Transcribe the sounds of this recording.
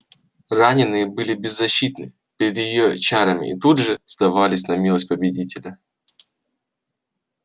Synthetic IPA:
ranʲɪnɨjəbɨlʲɪbʲɪzːɐɕːit̪nɨ | pʲɪɾʲɪd̪jɪjot͡ɕaɾəmʲɪ̰ʔːt̪udʐɨzd̪ɐvalʲɪsʲnɐmʲilˠəsʲt̚ʲpəbʲɪdʲitʲɪlʲə

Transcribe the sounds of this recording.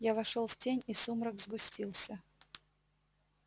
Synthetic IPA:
javɐʂolˠftʲenʲisumɾəɡzɡʊsʲtʲilˠsʲə

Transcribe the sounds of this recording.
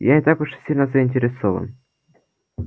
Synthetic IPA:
janʲɪt̪akʊʂsʲilʲnəzəɪnʲtʲɪɾʲɪsovə̰n

